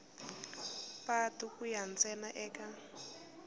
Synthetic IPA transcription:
patukujant͡sɛnaʔɛːka

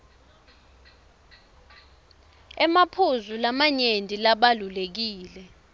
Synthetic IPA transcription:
ɛmapʰuzulamaɲendʱʼilaɓalulek̬iːlɛ

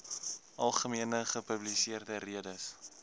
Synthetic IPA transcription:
ʔɐlˠχəmiənəχəpəblisiərdəriədəs

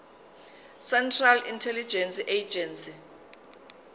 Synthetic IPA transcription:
sɛntʰralintʰɛlid͡ʒɛnsiʔed͡ʒʱɛnsi

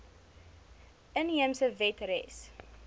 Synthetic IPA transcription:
ʔənɦiəmsəvɛtrɛs

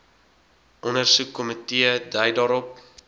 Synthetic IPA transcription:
ʔɔnərsukːɔmətiədəjdɑːɾɔp̚

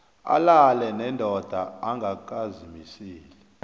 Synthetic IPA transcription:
a̰lalɛnɛndʱɔd̥ʱaaŋɡʱak̬ʼazimisiːlɛ

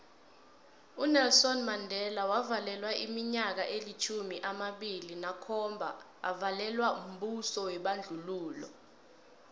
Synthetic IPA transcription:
unɛlsɔnmandʱɛlawavalɛlwaimiɲak̬aʔelit͡ʃʰumiʔamaɓilinakʰɔmbʱa̰ | a̰valɛlwaum̩ɓusɔwɛɓand͡ɮʱuluːlɔ̰

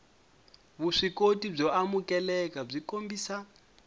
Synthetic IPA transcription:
βuʂikotib͡ʐɔamukʼɛlɛkab͡ʐikombiːsa

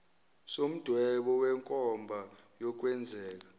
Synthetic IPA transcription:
som̩d̥ʱwɛɓɔwɛŋkʼɔmbʱajɔk̬ʼwɛnd͡zʱɛːk̬ḁ

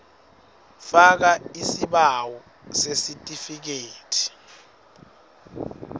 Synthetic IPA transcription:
fak̬aisiɓawɔ | sesitʼifik̬eːtʰi̥

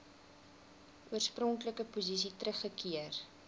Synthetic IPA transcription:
ʔuərsprɔŋkləkəpuzis̬itrəχːəkiər

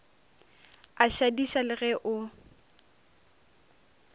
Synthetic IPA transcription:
aʃadiʃalɪɣɛʔʊ

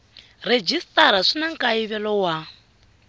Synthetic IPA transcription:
red͡ʒistʼaɾaʂinaŋkʼaiβɛlɔwa

